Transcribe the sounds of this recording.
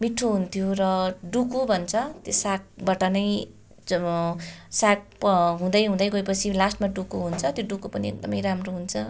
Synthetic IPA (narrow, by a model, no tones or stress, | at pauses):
miʈʰːoɦunt̪ʰijoɾʌɖukubʱʌnt͡sʰʌt̪josak̚bʌʈʌnʌj | sak̚ɦũd̪ʌjɦũd̪ʌjɡojpʌt͡sʰilasʈmaɖukuɦunt͡sʰʌt̪joɖukupʌniek̚d̪ʌmʌjramroɦunt͡sʰʌ